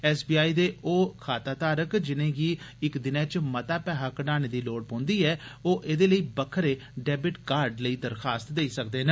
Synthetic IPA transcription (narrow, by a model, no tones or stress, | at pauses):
ɛːsbiːaːiːd̪eːʔoːkʰaːt̪aːt̪aːɾəkd͡ʒɪnẽːɡiːɪkd̪ɪnɛ̃ːt͡ʃmət̪aːpɛːɦaːkənaːneːd̪iːloːɽpõːnd̪iːɛːoːʔed̪eːləiːbəkʰːəɾeː | ɖɛːbɪʈkaːɾɖləiːd̪əɾxʰaːst̪d̪eiːsək̚d̪eːne